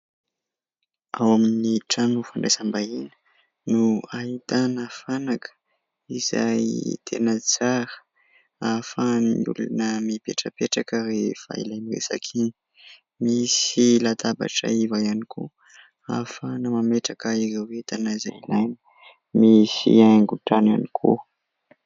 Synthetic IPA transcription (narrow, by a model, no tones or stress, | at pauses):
awaminiʈ͡ʂanufaɳɖ͡ʐesəmbainə̥ | nuaɦit̪anəfanakʰə̥ | iza̰jt̪ʰenət͡saɾə̥ | afaniṵlṵnəmipeʈ͡ʂəpeʈ͡ʂakərefa̰ḭlajmirḛsa̰kʰini | misilat̪aba̰ʈ͡ʂa̰ivajanikʰu | a̰fanamameʈ͡ʂakəiɾewet̪anaizailajni̥ | misḭaŋɡuʈ͡ʂanwanikʰṵ